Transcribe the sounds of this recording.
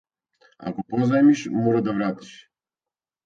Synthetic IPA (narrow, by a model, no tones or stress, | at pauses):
a̰kɔpɔzamiʃmɔɾad̪avɾat̪i̥ʃ